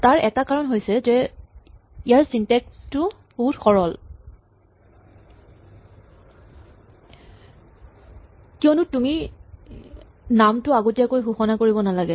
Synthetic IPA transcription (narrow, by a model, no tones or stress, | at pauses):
taɹʔɛtakaɹɔnɦojsɛzɛ | ijaɹsintɛkstʊ | boɦutxɔɹɔl | kiɔnʊtumi | namtʊaɡotiakojxuxɔnakoɹibɔnalaɡɛ